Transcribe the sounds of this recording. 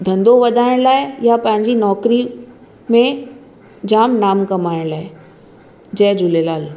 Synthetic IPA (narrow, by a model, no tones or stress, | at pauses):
d̪ʱɐ̃nd̪oʋɐd̪ʱaːɪɽ̃laːejapɐ̃ɦɪ̃ɲd͡ʑinɔːkɾi | mẽ | d͡ʑaːmnaːmkɐmaːɪɽ̃laːe | d͡ʑɛːd͡ʑʊlelaːl